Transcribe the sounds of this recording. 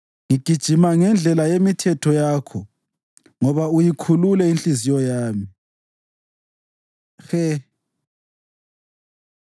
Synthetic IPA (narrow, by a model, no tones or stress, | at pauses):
ŋiɡ̥ʱid̥ʒ̥ʱimaŋɛnd͡ɮʱɛlajemitʰɛtʰɔjakʰɔ | ŋɔβaujikʰululɛinɬizijɔjaːmi | xɛ